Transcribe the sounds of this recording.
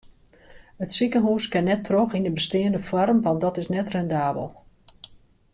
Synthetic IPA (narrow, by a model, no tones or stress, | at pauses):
ətsikənɦuːskɪnːɛtʰroxindəbəstɪːəndəfɔrmʋɑntdɔtɪsnɛtrɛndaːbə̰lˠ